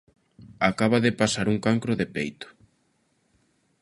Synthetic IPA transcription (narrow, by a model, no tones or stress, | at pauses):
akaβaðɪpasaɾuŋkaŋkɾʊðepejt̪ʊ̥